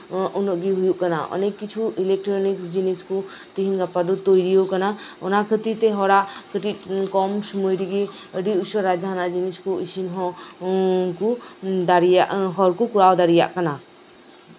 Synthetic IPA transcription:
unoʔɡiɦujuʔkɐna̰ʔɔ̰nekːit͡ʃʰuʔilek̚ʈɾɔniksd͡ʒinisku | t̪iɦinɡapad̪ut̪ojɾijokɐnaɔnakʰət̪it̪eɦɔɾakəʈikɔmsumojɾiɡiəɽiuʃɔɾad͡ʒaːnad͡ʒiniskuisinɦɔ | kud̪aɾijaʔɦɔɾkukuɾawd̪aɾija̰ʔkɐna

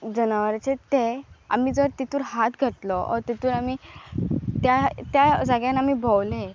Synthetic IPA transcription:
d͡zənaʋəɾt͡ɕet̪ea̰m̤iːd͡zəɾt̪it̪uːɾɦat̪ɡʱəʈlɔɔ̰ɾt̪it̪uːɾami | t̪jat̪jad͡zaɡjanamibʱɔwle

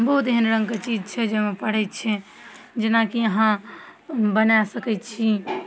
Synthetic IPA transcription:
bəɦut̪eɦənɾə̃ŋɡket͡ʃid͡ʒt͡ʃʰɛd͡ʒeɦmepəɽ̤ɛt̪t͡ʃʰɛ | d͡ʒenakiəɦã | bənasəkɛjt̪t͡ʃʰi

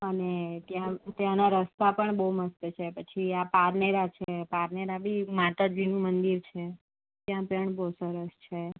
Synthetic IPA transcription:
ənet̪jãt̪jãnaɾəst̪apəɳbəɦuməst̪ət͡ʃʰepət͡ʃʰiapaɾneɾat͡ʃʰepaɾneɾabimat̪ad͡ʒinũmənd̪iɾt͡ʃʰe | t̪jãpəɳboɦsəɾəst͡ʃʰe

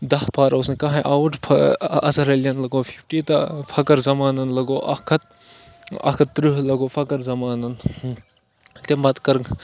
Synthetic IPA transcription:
d̪ɐhpʰaːɾɐwsnkaɦãʔawuʈʰpʰɐ̰ɐ̰sɐɾɐljɐnlɐɡopʰipʰʈit̪ɐpʰɐkɐɾzɐmaːnɐnlɐɡoːʔɐ̰kʰɐt̪̚ | ɐ̰kʰɐt̪ːɾɨɦlɐɡoːpʰɐkɐɾzɐmaːnɐn | t̪emɐt̪kɐɾŋ

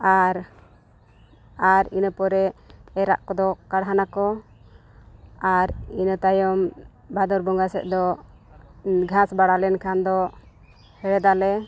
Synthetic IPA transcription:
aɾ | aɾinəpɔɾɛɛɾa̰ʔkɔd̪ɔkaɽɦanakɔ | aɾinət̪ajɔm | bad̪ɔɾbɔŋɡasɛ̰t̪̚ˀd̪ɔ | ɡʱasbaɽalɛnkʰand̪ɔ | hɛɽɛd̪alɛ

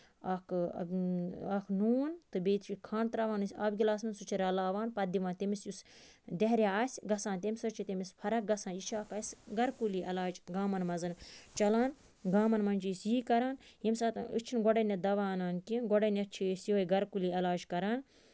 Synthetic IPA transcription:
ɐk | ɐkʰnuːnt̪ɨbeːt̪ʰt͡ʃikʰãːnt̪ɾɐʋaːnɨsʲaːbɡʲilaːsminsut͡ʃʰiɾɐlaːʋaːnpɐd̪iʋaːnt̪emisjus | d̪eɦɾʲjaasʲɡɐsaːnt̪ʲemʲsɐt͡ʃʰit̪ʲemispʰɐɾɐk̚ɡɐsaːnjit͡ʃʰaːkɐsʲɡɐɾkuliʔɐlaːd͡ʒɡaːmɐnmɐzɨnt͡ʃɐlaːn | ɡaːmɐnmɐnʲt͡ʃisjiːkɐɾaːnhimsaːt̪ɨ̰t͡ʃʰinɡɔɽɐnʲɐd̪ɐʋaːnaːnkinɡɔɖɐnɐt͡ʃʰisiojɡɐɾkuliːɐlaːd͡ʒkɐɾaːn

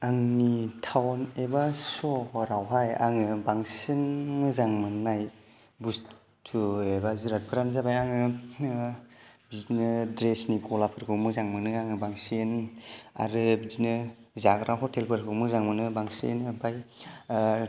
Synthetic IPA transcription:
aŋnitʰawnebasɔhɔɾawɦaja̰ŋɯbaŋsinmɯzaŋmɯnːaj | bus | tʰuebaziɾat̚kʰɯɾanzabajaŋɯ | bizinɯdɾesnikʰɔlapʰɯɾkʰɯmɯzaŋmɯnɯaŋɯbaŋsina̰ɾɯbizinɯ | zaɡɾʔaɦɔtʰelpʰɯɾkʰɯmɯzaŋmɯnɯbaŋsḛnpʰaj

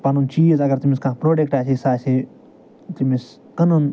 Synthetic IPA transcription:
pɐnunt͡ʃiːjəzɐɡɐɾt̪imiskãːpɾoːɖek̚ʈaːsʰisaːse | t̪imis | kənun

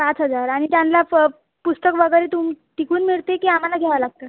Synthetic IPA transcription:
pat͡sɦəd͡zaɾaɽ̃it̪janla | pust̪əkʋəɡəjɾet̪umʈikuːnmiɭt̪ekiːam̤alaɡʱɛʋalaɡ̚t̪ə

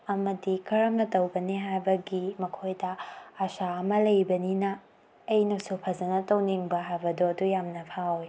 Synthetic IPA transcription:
ɐmɐdikʰɐɾɐmnɐtɐwbɐniɦajbɐɡimɐkʰojdɐɐsaɐmɐlɐjbɐninɐː | jnɐsupʰɐzɐnɐtɐwniŋbɐɦajbɐdoɐdujamnɐpʰawj

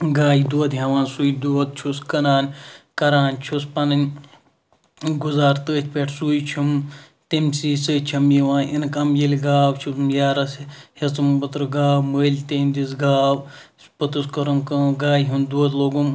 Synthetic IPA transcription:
ɡaːjid̪uɐd̪ɦɐʋaːnsuːjd̪uɐt̪̚t͡ʃʰuskɐnaːnkɐɾaːnt͡ʃʰuspɐnɐnʲ | ɡuzaːɾt̪əːt͡ʃʰʲpʲeʈʰsujt͡ʃʰim | t̪imʲsiːsɨːt͡ʃʰimjiʋaːnʔinkɐmjilʲɡaːwt͡ʃʰusmjaːɾɐshɐt͡sɨmbɨt̪ɾɨɡaːwməːlʲt̪eːmd̪isɡaːw | pɨt̪ɨskɐɾɐmkɐɡaːjɦund̪uɐt̪loːɡum

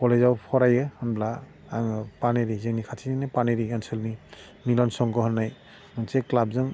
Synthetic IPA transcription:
kɔlezawpʰɔɾajɯhɯnblaː | ŋɯpaneɾizeŋnikʰatʰininapaneɾiansɯlni | milɔnsɔŋɡɔɦɔnːaj | mɯnseklab̚zɯŋ

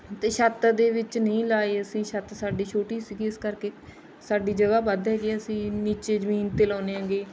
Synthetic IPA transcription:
t̪eːʃət̪d̪eːʋɪt͡ʃnəĩːlaːeːəsĩːʃət̪saːɖiːt͡ʃʰoːʈiːsiɡiɪskəɾkeː | saːɖiːd͡ʒəɡaːbəd̪ɦɛːɡeəsĩːniːt͡ʃeːzəmiːnt̪eːlaːneːɦə̃ːŋɡeː

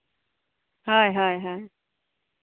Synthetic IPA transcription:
haɦajɦaj

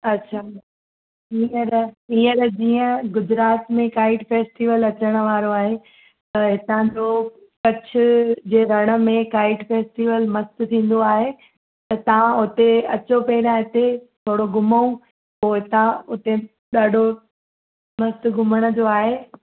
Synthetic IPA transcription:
ɐtːɕʰaː | iːəɾiːəɾd͡ʑiːə̃ɡʊd͡ʑɾaːt̪mẽkaːɪʈfeːsʈiːʋəlɐt͡ɕəɽ̃ə̆ʋaːɾoaːɦe | t̪ɐɦɪt̪ãd͡ʑoː | kɐt͡ɕʰʊ̆d͡ʑeːɾɐɽ̃ə̆mẽkaːɪʈfeːsʈiːʋəlmɐst̪ʊ̆t̪ʰĩːn̆d̪oaːɦe | t̪ɐt̪ɐʋ̤ãʊt̪eɐt͡ɕopɐɪɾãɦɪt̪et̪ʰoːɽoɡʊməũ | poːɪɪt̪ãʊt̪e | ɗaːɖʱo | mɐst̪ɡʊməɽ̃ə̆d͡ʑoaːɦeː

